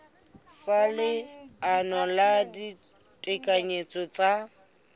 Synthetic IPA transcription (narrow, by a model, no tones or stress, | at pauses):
salɪanɔladi | tʼɪkʼaɲet͡sʼɔt͡sa